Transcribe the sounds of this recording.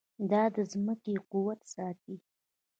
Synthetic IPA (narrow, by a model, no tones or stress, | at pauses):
d̪ɑd̪əzməkequwat̪sɑt̪̚i